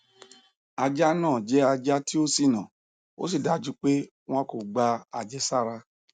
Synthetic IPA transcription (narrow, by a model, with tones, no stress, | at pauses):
a˧d͡ʒa˦nãː˦˨d͡ʒɛ˦a˧d͡ʒa˦ti˦o˦si˦˨nã˨ | o̰˦si˦˨da˨˦˨d͡ʒu˧˦k͡pe˦ | w̃ã˦ko˨ɡ͡ba˧a˨d͡ʒɛ˦sa˦˨ɾa˧